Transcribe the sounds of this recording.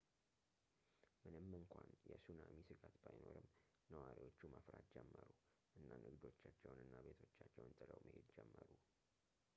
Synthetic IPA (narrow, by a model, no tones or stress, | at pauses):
mɨnɨmːɨŋkʷʰanjɛsunamisɨɡat̪bajnoɾɨm | nəwaɾiwo̞t͡ʃːuməfɾat̪d͡ʒɛmːəɾu | ʔɨnːanʔɨɡd̪o̞t͡ʃːat͡ʃːɛwnɨnːabe̞t̪ʰo̞t͡ʃːat͡ʃːɛwnt̪ʼɨləwmʔəhed̪d͡ʒɛmːəɾu